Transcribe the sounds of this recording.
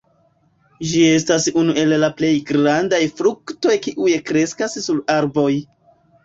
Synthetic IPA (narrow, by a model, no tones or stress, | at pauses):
d͡ʒie̞stasunuʔe̞llaple̞jɡɾandajfɾukto̞jkiʔujkɾe̞skassulaɾbo̞j